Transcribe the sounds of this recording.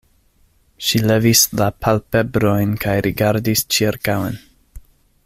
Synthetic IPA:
ʃile̞vislapʰalpebɾo̞jnkʰajɾʔiɡaɾdist͡ʃiɾkawḛn

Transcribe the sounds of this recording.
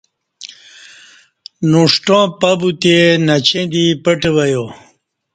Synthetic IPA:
noʂʈõːpɐbut̪enɐt͡ɕẽd̪ipəʈewɐjo

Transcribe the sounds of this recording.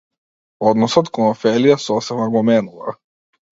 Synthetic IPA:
ɔd̪nɔsɔt̪kɔnɔfɛlijasɔsɛbnaɡɔmɛnuva̰

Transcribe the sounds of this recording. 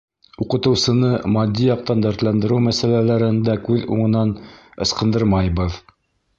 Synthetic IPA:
uqɤ̆t̪ɤ̆wsɤ̆nɤmɑd̪ʲːijɑq̚t̪ɑnd̪æɾt̪lænd̪ɘ̆ɾɘwmæsælælæɾɘ̆nd̪ækʉðṵɴɤ̆nɑnɤ̰̆sqɤ̆nd̪ɤɾmɑjβɤð

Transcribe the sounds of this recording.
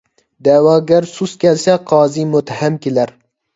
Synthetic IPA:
d̪ɛwɑːɡʲæɾsuskʲɛlsɛqʰɑːzimʊt̪hæmkʲelæɾ

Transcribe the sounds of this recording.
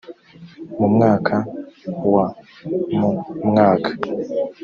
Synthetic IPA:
mumŋaːkʰawa | mumŋaːkʰḁ

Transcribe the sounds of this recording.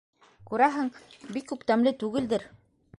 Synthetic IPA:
kʉɾæɦɘŋbikːʉpt̪æmlɘt̪ʉɡɘ̆ld̪ɘɾ

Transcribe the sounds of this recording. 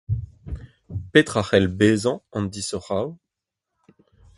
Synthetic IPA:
pet̪χaχɛlbezɑ̃ɑ̃nd̪isɔʁaw

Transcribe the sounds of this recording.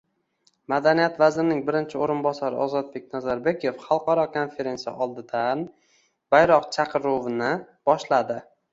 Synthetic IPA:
mad̪anijat̪vazɾɪnɪŋbɪɾɪnt͡ʃʰɪoɾɪnbɒsaɾɪ̰ʔɒzɒt̪̚be̞kʲnazaɾbe̞kʲʰe̞fχɑlˠqɒɾɒkʰo̞nfe̞ɾe̞nsija̰ʔɒlˠd̪ɪd̪an | b̥ajɾɒqt͡ʃʰaqʰɨɾovɪnɪ | b̥ɒʃlad̪ɪ

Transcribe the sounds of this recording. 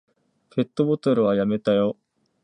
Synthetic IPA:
pe̞t̪ːo̞bot̪oɾɯ̟βajame̞t̪ajo

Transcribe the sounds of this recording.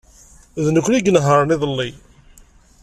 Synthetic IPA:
ðnəkʷːniɡənɦəɾˤənɪðˤəlːi

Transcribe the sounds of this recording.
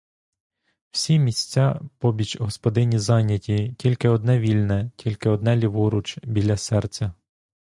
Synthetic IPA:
w̥sʲimʲisʲt͡sʲɑpɔbʲit͡ʃɦɔspɔd̪ɪnʲizɑnʲjɐtʲitʲilʲkɪɔd̪nɛʋʲilʲnɛtʲilʲkɪɔd̪nɛlʲiʋuɾʊt͡ʃbʲilʲːɐsɛrt͡sʲɐ

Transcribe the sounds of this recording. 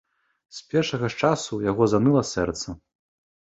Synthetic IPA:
spʲɛrʂɐɣɐt͡ʂasujaɣɔzanɨlˠɐsɛrt̪sɐ

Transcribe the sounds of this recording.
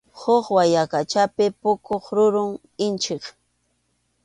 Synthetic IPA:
hoχwajakat͡ʃapɪpʊkoχɾʊɾʊŋ | ɪnt͡ʃɪχ

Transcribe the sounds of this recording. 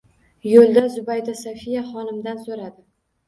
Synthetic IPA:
jolˠd̪azʊbajd̪asafijaχɒnɪmd̪ansoɾad̪ɪ

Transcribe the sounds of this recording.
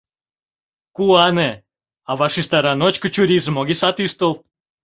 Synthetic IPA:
kuɑne | ɑβɑʃiʃt̪ɑɾɑnot͡ɕkə̆t͡ɕuɾʲizəmoɣisɑt̪yʃt̪əlˠ

